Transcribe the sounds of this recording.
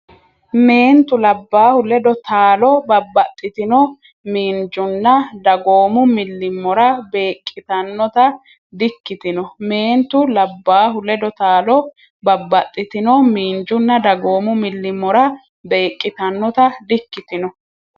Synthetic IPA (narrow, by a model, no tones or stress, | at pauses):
me̞ːnt̪ʊlɐbːaːhʊlɛd̪ɔt̪aːlɔbɐbːɐt̪ʼːɪt̪ɪnɔ | miːnd͡ʒʊnːɐd̪ɐɡo̞ːmʊmɪlːɪmːɔɾɐbe̞ːkʼːɪt̪ɐnːɔt̪ɐ | d̪ɪkːɪt̪ɪnɔme̞ːnt̪ʊlɐbːaːɦʊlɛd̪ɔt̪aːlɔ | bɐbːɐt̪ʼːɪt̪ɪnɔmiːnd͡ʒʊnːɐd̪ɐɡo̞ːmʊmɪlːɪmːɔɾɐ | be̞ːkʼːɪt̪ɐnːɔt̪ɐd̪ɪkːɪt̪ɪnɔ